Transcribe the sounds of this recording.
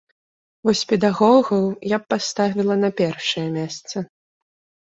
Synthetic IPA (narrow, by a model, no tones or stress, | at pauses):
vɔsʲpʲɛd̪aɣɔɣɐwjapːast̪avʲilˠɐnɐpʲɛrʂɐjɛmʲɛst̪sɐ